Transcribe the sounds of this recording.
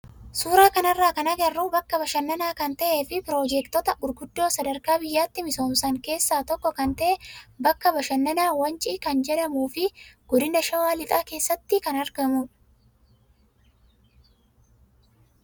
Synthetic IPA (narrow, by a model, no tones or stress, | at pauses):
suːɾaːkɐnɐrːaːkɐnɐɡɐrːuːbɐkːɐbɐʃɐnːɐnaːkɐnt̪ɐʔeːfɪpɪɾoːd͡ʒɛkt̪ɔt̪ɐɡʊɾɡʊd̪ːo̞ːsɐd̪ɐɾkaːbɪjːaːt̪ːɪmɪso̞ːmsɐŋke̞ːsːaːt̪ɔkːɔkɐnt̪ɐʔɛbɐkːɐbɐʃɐnːɐnaːwɐnt͡ʃʼiːkɐnd͡ʒɛᶑɐmuːfɪɡ̥ɔd̪ɪnɐʃɐwaːlɪt̪ʼaːke̞ːsːɐt̪ːɪkɐnɐɾɡɐmʊ